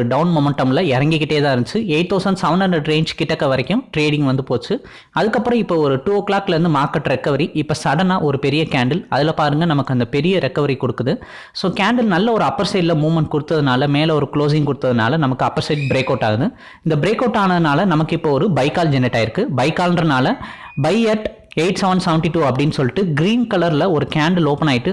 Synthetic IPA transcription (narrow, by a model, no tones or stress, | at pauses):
ɯɖɐʊnmɔmɛɳʈɐmɪlɐɪɾɐŋɡɪkːɪʈːeːt̪ãːɪɾɯnt͡ʃːɯeːʈ̪ːoːsɐnsɐʋɐnɐɳd̪ɾɐɖɾeːɲd͡ʒkɪʈːɐkːɐʋɐɾɐkːɯ̃mʈɾeːɽɪ̃ŋɡʋɐnd̪ɯpoːt͡ʃːɯ | ɐðɯkːɐpːɯɾɔ̃ɪpːoːɔɾɯʈuːoklaːkːɪlɐɾɯnd̪ɯmaːɾkɐʈɾɛkːɐʋɐɾiʔɪpːɐsɐɽɐnaːʔɔɾɯpɛɾɪjɐkaːɳɖɐlɐðɪlɐpaːɾɯŋɡɐnɐmɐkːɯɐnd̪ɐpɛɾɪjɐɾɛkːɐʋɐɾikɔɽɯkːɯðɯ | soːkaːɳɖɐlnɐlːɐɔɾɯɐpːɐɾsɐɪɖlɐmuːmɐɳʈ̚kʊɽɯt̪ːɐðɯnaːlɐmeːlɐɔɾɯkloːs̬ɪ̃ŋɡkʊɽɯt̪ːɐðɯna̰ːlɐnɐmɐkːɯɐpːɐɾsɐɪd͡ʒbɪɾeːkɐːʈːaːɣɐðɯ | ɪnd̪ɐbɪɾeːkːoːʈːaːnɐðɯnaːlɐnɐmɐkːɯɪpːoːɔɾɯbɐɪkːaːld͡ʒɛnːɪʈːaːɪɾɯkːɯbɐɪkːaːlndɾɐnaːlɐ | bɐɪɛʈ | eɪʈsɛʋɐɳɖsɛʋɳʈiʈuːɐpːɐɽɪnːɯsɔlːɪʈːɯɡɪɾiːnkɐlɐɾlɐɔɾɯkaːɳɖɐloːpɐnaːjɪʈːɯ